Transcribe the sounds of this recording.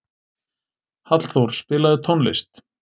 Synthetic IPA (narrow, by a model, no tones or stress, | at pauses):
hat̪l̥θowɾ̥spɪːlaðɪt̪ʰɔnlɪ̰st̪